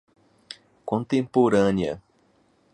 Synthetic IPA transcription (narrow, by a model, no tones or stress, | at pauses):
kõnt̪ẽmpoɾãnjɐ̰